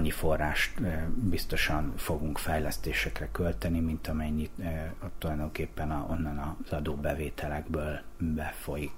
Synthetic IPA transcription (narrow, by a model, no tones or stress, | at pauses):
ɲːifo̞rːa̰ːʃt̪bist̪o̞ʃɒnfo̞ɡuŋkfɛjlɛst̪eːʃɛkrɛkø̞lt̪ɛnimint̪ɒmɛɲːitːtt̪ːulɒjd̪o̞ŋkeːpːɛnɒo̞̰nːɒnɒz̥ɒd̪oːbɛveːt̪ʰɛlɛɡbøːlbɛfo̞jik